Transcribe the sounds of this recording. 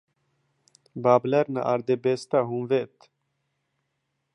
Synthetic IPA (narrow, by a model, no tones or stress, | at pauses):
baːblɛɾna̰ʔaɾd̪ebest̪aɦumvet̪